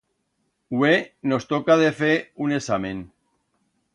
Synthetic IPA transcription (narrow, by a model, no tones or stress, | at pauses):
weno̞st̪okaðefeune̞samẽn